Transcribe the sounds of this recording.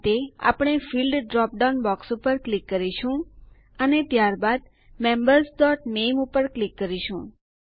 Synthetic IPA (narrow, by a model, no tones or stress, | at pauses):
t̪ea̰pɽ̃efilɖɖɾɔp̚ɖanbɔksupəɾklikːəɾiʃũ | ənet̪jaɾbad̪ | mẽmbəɾsɖ̪ɔʈnemupəɾklikːəɾiʃũ